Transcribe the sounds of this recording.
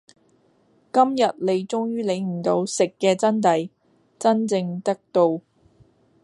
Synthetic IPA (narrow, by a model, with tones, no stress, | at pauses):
kɐ˥mjɐ˨t̚le˨˧jt͡sʊ˥ŋjyː˥le˨˧jm̩˨˩t̪o˨˧wsɪ˨kːɛː˧t͡sɐ˥nt̪ɐ˨˥j | t͡sɐ˥nt͡sɪ˧ŋt̪ɐ˥k̚t̪o˧w